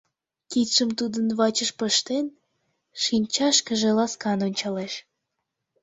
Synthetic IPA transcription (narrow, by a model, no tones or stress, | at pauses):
kit̪ʃəmt̪ud̪ənβɑt͡ɕəʃpəʃt̪en | ʃinʲt͡ɕɑʃkəʒelɑskɑnonʲt͡ɕɑleʃ